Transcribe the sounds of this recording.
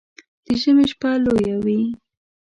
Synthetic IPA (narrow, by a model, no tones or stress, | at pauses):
d̪̥əʒəmeʃpalojawi